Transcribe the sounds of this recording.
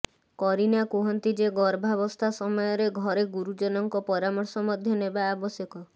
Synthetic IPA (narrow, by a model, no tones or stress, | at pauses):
kɔɾinakuɦɔnt̪id͡ʒeɡɔɾbʱaβɔst̪ʰasɔmɔjɔɾeɡʱɔɾeɡuɾud͡ʒɔnɔŋkɔpɔɾamɔɾsɔmɔd̪ʱjɔnebaːbɔsjɔkɔ